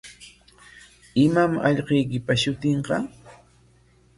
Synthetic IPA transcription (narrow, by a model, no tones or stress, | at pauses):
ɪmamɑʎqejkɪpaʃʊt̪ɪɴqɑ